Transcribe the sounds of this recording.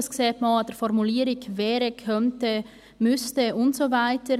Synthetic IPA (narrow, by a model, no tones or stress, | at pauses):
əskseːtmɑd̥ɛɾfɔɾmuliːɾɪkvɛːɾəkʰœntə | mʏstəʊntsovaɪtə